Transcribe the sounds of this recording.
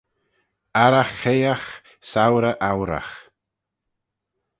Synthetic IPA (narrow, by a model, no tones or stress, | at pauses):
aɾaxejax | sawɾəʔawɾa̰x